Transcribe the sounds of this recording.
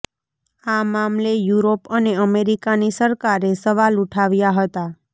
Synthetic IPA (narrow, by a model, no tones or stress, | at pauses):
amamlejuɾopəneəmeɾikanisəɾkaɾesəʋaluʈʰaʋjaɦət̪a